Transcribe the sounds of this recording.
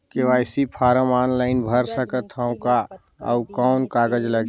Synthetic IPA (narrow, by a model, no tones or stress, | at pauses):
keʋaːɪsipʰaːɾəmaːnlaːɪnbʱəɾsəkət̪ʰəʊ̃ka | ə̰ʊkɔːnkaːɡəd͡ʒləɡ